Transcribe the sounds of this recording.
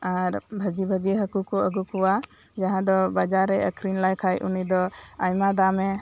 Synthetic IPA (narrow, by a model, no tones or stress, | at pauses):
aɾbʱəɡibʱəɡiɦəkukɔəɡukuwa | d͡ʒaɦãd̪ɔbad͡ʒaɾɛə̰kɾinlajkʰajʔṵnid̪ɔajmad̪amɛ